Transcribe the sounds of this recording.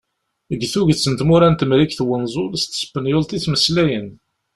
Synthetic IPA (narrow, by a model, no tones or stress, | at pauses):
əɡθuʝθt͡sːənt̪muɾænt̪əmɾikθwənzˤʊlst̪sə̥pːənjʊlt̪ˤiθməslæjən